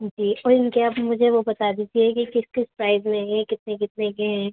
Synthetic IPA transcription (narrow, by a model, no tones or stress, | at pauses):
d͡ʒiːɔːɾɪnkeapmʊd͡ʒʱeʋobɐt̪ad̪iːd͡ʒiɛkikɪskɪspɾaːɪzmẽɦɛ̃kɪt̪nekɪt̪nekeɦɛ̃